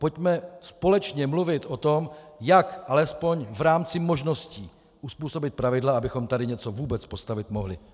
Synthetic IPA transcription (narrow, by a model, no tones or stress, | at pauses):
po̞cmɛspo̞lɛt͡ʃɲɛmluvɪt̪ʔot̪o̞mjakʔalɛspo̞ɲvɾaːmt͡sɪmo̞ʒno̞sciː | ʔuspuːso̞bɪt̪̚pɾavɪdlaabɪxo̞mt̪adɪɲɛt͡so̞vuːbɛt͡spo̞st̪avɪt̪moɦlɪ̰